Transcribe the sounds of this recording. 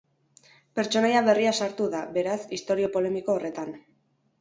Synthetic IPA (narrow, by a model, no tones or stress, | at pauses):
pe̞ɾt͡ʃo̞najaβe̞riasaɾt̪uðaβe̞ɾasist̪o̞ɾio̞po̞le̞miko̞ːre̞t̪an